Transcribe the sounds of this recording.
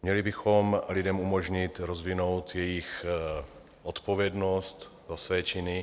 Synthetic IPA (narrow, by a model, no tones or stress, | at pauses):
mɲɛlibɪxomlɪdɛmumoʒɲɪt̪ɾozvɪnowt̪jɛjɪx | ʔot̪po̞vjɛdnost̪zasvɛːt͡ʃɪnɪ